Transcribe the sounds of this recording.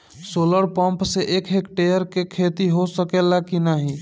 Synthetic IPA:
soləɾpə̃mpseʔekʰekʈejəɾkekʰet̪iɦosəkelakinaɦi

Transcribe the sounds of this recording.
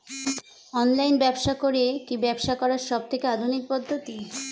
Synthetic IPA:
ɔnlajnbɛbʃakoɾekibɛbʃakɔɾaɾʃɔb̚t̪ʰekead̪ʱunik̚pɔd̪ʱːot̪i

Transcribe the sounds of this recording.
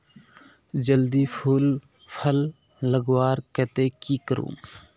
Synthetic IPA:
d͡ʒəld̪iːpʰuːl | pʰəlː | əɡwaːɾkɛːt̪eːkiːkəɾṵ̃ː

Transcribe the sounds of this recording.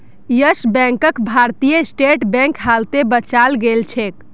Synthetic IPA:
jəsbɛ̃ŋkəkbʱaɾt̪ijəsʈeʈbɛ̃ŋkɦalt̪ebət͡ʃalɡelt͡ʃʰek̚

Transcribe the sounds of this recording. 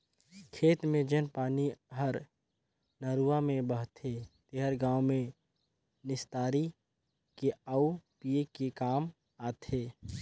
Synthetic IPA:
kʰeːt̪mẽd͡ʒənpaːniɦəɾ | nəɾuamẽbəɦt̪ʰet̪eɦəɾɡãːʊmẽ | nɪst̪aːɾi | keəupiekekaːm | aːt̪ʰeː

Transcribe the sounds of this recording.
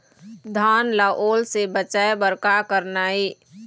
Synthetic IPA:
d̪ʱaːnlaʔoːlsebət͡ʃaebəɾkakəɾnaːi

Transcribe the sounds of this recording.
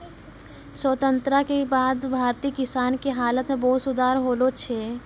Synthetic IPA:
səːt̪ə̃nt̪ɾakebaːd̪bʱaːɾt̪iːkɪsaːnkeɦaːlət̪mẽbɔːt̪sʊd̪ʱaːɾɦoːlot͡ʃʰe

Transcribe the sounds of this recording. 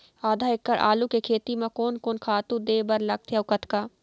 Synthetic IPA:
aːd̪ʱaːɪkːəɾʔa̰ːlukekʰeːt̪imẽkoːnkoːnkʰaːt̪ũd̪eːbɐɾlɐɡ̚t̪ʰjaʊkət̪kaː

